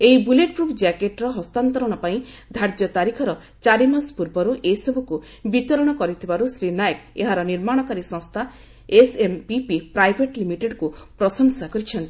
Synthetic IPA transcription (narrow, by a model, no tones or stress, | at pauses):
eibuleʈ̚pɾupʰd͡ʒakeʈɾɔɦɔst̪ant̪ɔɾɔɽ̃ɔpaĩd̪ʱaɾd͡ʒɔt̪aɾikʰɔɾɔ | t͡ʃaɾimanspuɾbɔɾuʔeisɔbʱuku | bit̪ɔɾɔɽ̃ɔkɔɾit̪ʰibaɾusɾinajkeɦaɾɔniɾmaɽ̃ɔkaɾisɔ̃ŋst̪ʰa | esempipipɾajbʱeʈlimiʈeɖkupɾɔsɔŋsakɔɾit͡ʃʰɔnt̪i